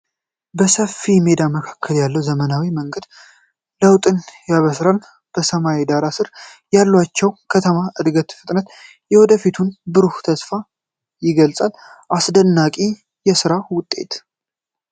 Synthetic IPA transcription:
bəsəfːimed̪aməkʰakʰːəljalːəwzəmənawiməŋɡəd̪̥ | ləwt̪ʼɨnjaβəsɾal | b̥əsəmawed̪aɾasɨɾ | jalːwat͡ʃːɛwkʰət̪ʰəmaʔɨd̪ɡət̪fɨt̪ʼnət̪ | jɛwɔd̪əfit̪ʰunbɨɾuht̪ʰəsfa | jɪɡəlsʼal | ʔasd̪ənːakʼi | jɛsɨɾawʊt̪ʼːe̞̰t̪

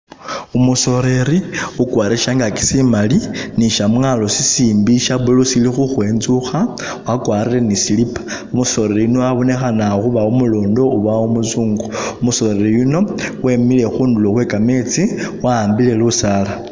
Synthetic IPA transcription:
umuso̞ɾe̞ɾiukwaːɾeʃaŋɡaki̥simaliniʃamwalosisiːmbiʃaβulusilixuxwe̞ːnzuxa | wakwaːɾile̞nisilipḁ | umuso̞ɾeɾijunoaβo̞nexanaxuβaumuloːndo̞uβaumut͡suːŋɡoumuso̞ɾe̞ɾijuno̞wemile̞xuːnduloxwekame̞t͡siwaːmbile̞lusala

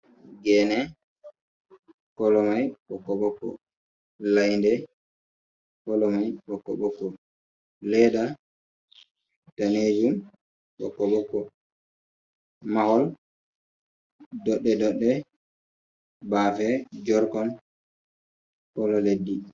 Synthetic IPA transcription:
ɡɛnɛ | kɔlɔmajɓɔkːɔɓɔkːɔ̰ | lajndɛ | kɔlɔmajɓɔkːɔ̰ɓɔkːɔ | lɛda | taned͡ʒum | ɓɔ̰kːɔɓɔkːɔ | mahɔl | dɔɗːɛdɔɗːɛ | bafɛd͡ʒɔɾkɔn | kɔlɔledːi

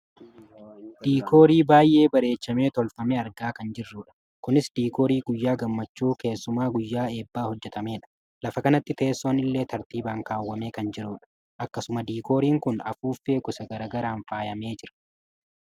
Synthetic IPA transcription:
d̪̥iːkʰo̞ːɾiːbaːjʔe̞ːbɐɾe̞ːt͡ʃːɐme̞ːt̪ɔlfɐmeɐɾɡaːkɐnd͡ʒɪrːuːᶑɐ̥ | kʊnɪsd̪iːko̞ːɾiːɡʊjːaːɡɐmːɐt͡ʃːuːke̞ːsːʊmaːɡʊjːaːe̞ːbːaːhɔd͡ʒːɛt̪ɐme̞ːᶑɐ̥ | lɐfɐkɐnɐt̪ːɪt̪e̞ːsːo̞ːnɪlːe̞ːt̪ɐɾt̪iːbaːŋkaːwːɐme̞ːkɐnd͡ʒɪɾuːᶑɐ̥ | ʔɐkːɐsʊmɐd̪iːko̞ːɾiːŋkʊnɐ̰fuːfe̞ːkʊsɐɡɐɾɐːɡɐɾaːnfaːjɐme̞ːd͡ʒɪɾɐ̥

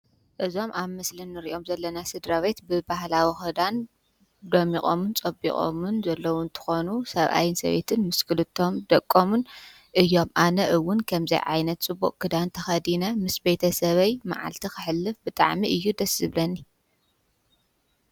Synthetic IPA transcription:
ʔɨzo̞mʔaβmɐslinːɨɾiʔo̞mzɐlːɐnasɨd̪ɾawe̞t̪bɨbahlawixɐd̪an | d̪ɐmiχʼo̰mɨnt͡sʼɐbḭkʼo̰mɨnzɐlːɐwʊnt̪ʰɨ̥xonusɐβʔa̰jɪnsɐ̰βe̞̰t̪ʰɨnmɨskʰɨlɨt̪ʰːo̞md̪ɐkʼːomun | ʔɨjːo̞mʔanɐʔɨwːʊnkʰɐmzɐ̰jʕa̰jnɐt̪̚t͡sʼɨbuʔʼkʰɨd̪ant̪ʰɐxɐd̪inɐmɨsbe̞t̪ʰɐsɐβɐjma̰ʕa̰lt̪ʰikɨħɨlːɨfbɨt̪ʼa̰ʕmiʔɨjːud̪ɐsɨβlɐnːi

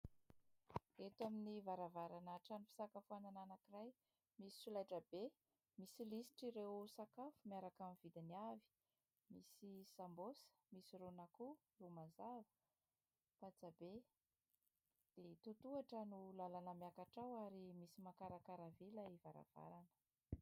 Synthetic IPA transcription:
et̪waminivaɾavaɾanaʈ͡ʂanufi̥sakafuanananakiraj | misi̥sulajʈ͡ʂəbe | misilisi̥ʈ͡ʂiɾewsakafumiaɾakamvid̪iniavi̥ | misisambosə̥misiɾonaku | lumazavə̥ | pat͡sabe | d̪̥et̪ut̪uaʈ͡ʂənulalanəmakaʈ͡ʂawaɾimisimakaɾakaɾavilaivaɾa̰v̥a̰ɾanə̥

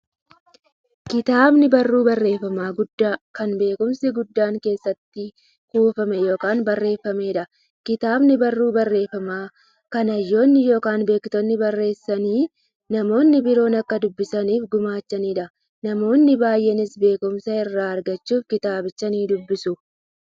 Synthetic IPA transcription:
kɪt̪aːbnɪbɐrːuːbɐrːe̞ːfːɐmaːɡʊd̪ːaːkɐnbe̞ːkʊmsɪɡʊd̪ːaːŋke̞ːsːɐt̪ːɪ | kuːfɐmɛjo̞ːkaːnbɐrːe̞ːfːɐme̞ːᶑɐ | kɪt̪aːbnɪbɐrːuːbɐrːe̞ːfɐmaː | kɐnɐjːo̞ːnːɪjo̞ːkaːnbe̞ːkt̪ɔnːɪbɐrːe̞ːsːɐniː | nɐmo̞ːnːɪbɪɾo̞ːnɐkːɐd̪ʊbːɪsɐniːfɡʊmaːt͡ʃːɐniːᶑɐ | nɐmo̞ːnːɪbaːjʔɛnɪsbe̞ːkʊmsɐɪrːaːɐɾɡɐt͡ʃːuːfkɪt̪aːbɪt͡ʃːɐniːd̪ʊbːɪsʊ

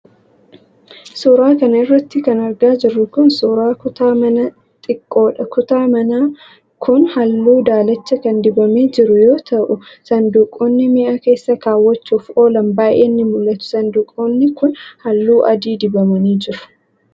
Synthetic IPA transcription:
sʊɾaːkɐnɐɪrːɐt̪ːɪkɐnɐɾɡaːd͡ʒɪrːʊkʊnsʊɾaːkʊt̪aːmɐnɐ | t̪ʼɪkʼːo̞ːᶑɐkʊt̪aːmɐnaː | kʰʊnhɐlːuːd̪aːlɐt͡ʃːɐkɐnd̪ɪbɐme̞ːd͡ʒɪɾʊjo̞ːt̪ɐʔʊsɐnd̪uːkʼːo̞ːnːɪmɪʔake̞ːsːɐkaːwːɐt͡ʃːuːfo̞ːlɐmbaːjʔeːnːɪmʊlːɐt̪ʊ̥sɐnd̪uːkʼːoːnːɪkʊnhɐlːuːʔɐd̪iːd̪ɪbɐmɐniːd͡ʒɪɾʊ̥

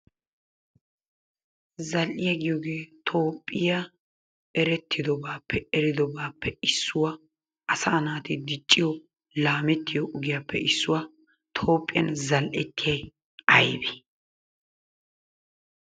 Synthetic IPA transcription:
zɐlʔɪjɐɡɪjɔɡeːt̪ʰo̞ːpʼːɪja | ɛɾɛt̪ʰːɪd̪ɔbaːpːɛɛɾɪd̪ɔbaːpːɛɪsːʊwa | ɐsɐːnaːt̪ɪd̪ɪt͡ʃʼːɪjɔ | laːmɛt̪ːɪjɔʔʊɡɪjapːɛɪsːʊwa | t̪ʰo̞ːpʼːɪjɐ̰nzɐlʔɛt̪ːɪjɐj | ɐjbɛ

